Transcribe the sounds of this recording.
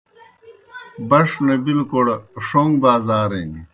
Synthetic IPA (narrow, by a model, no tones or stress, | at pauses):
bɐʂnebilkoɽʂoŋɡbaːzaːɾeni